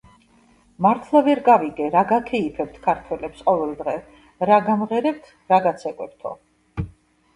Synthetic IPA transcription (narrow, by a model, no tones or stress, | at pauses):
maɾt̪ʰlˠavɛɾɡaviɡɛɾaɡakʰɛipʰɛp̚t̪ʰkʰaɾt̪ʰwɛlɛpsqʼɔvɛlˠd̪ʁɛ | ɾaɡamʁɛɾɛp̚t̪ʰ | ɾaɡat̪sʰɛkʼwɛp̚t̪ʰɔ̰